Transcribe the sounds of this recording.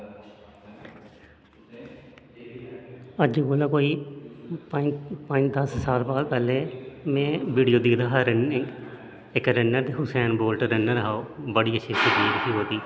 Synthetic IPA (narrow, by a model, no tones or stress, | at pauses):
əd͡ʒkoːlaːkoːiːpəpəd͡ʒd̪əssaːlpaːlpɛːleːmɛ̃ːʋiːɽijoːd̪id̪aːɦɾɪnɪ | ɪkɾɪnːəɾd̪eːɦʊsɛːnboːlʈɾənːəɾaːoːbəɽiːəʃʰiːsəɡiːd̪kʰiːɦoːt̪iː